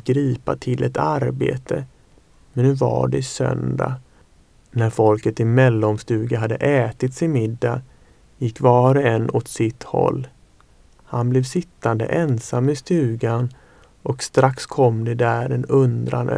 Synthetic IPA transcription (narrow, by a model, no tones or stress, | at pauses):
ɡɾiːpa̰t̪ʰɪlʔɛt̪aɾbḛːt̪ʰə | mɛnːʉ̟ːva̰ɖɛsœ̰nd̪a̰ | næɾfɔlkət̪ɪmɛlːɔmst̪ʉ̟ːɡaɦad̪ːə̰ʔɛːt̪ɪt̪sɪmɪd̪ːa | jɪkːvɑːɾəɛnːɔt̪sɪt̪hɔ̰lː | hanblɛvsɪt̪ːand̪ə̰ʔɛnsamːɪst̪ʉ̟ːɡan | ʔɔkst̪ɾakskʰɔmːd̪ɛd̪æɾɛnɵnd̪ɾa̰n̰